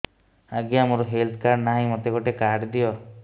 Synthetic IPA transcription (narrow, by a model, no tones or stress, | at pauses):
aɡiamoɾuɦelt̪ʰkaɾnaɦĩmot̪eɡɔʈekaɖd̪ijɔ